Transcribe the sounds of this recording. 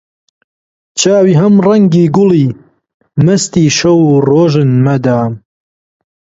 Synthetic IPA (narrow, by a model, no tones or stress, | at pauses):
t͡ʃʰaːwiːɦɐmrɐŋɡiːɡʊliː | mɐst̪iːʃɐwuːroːʒɨnmɐd̪aːm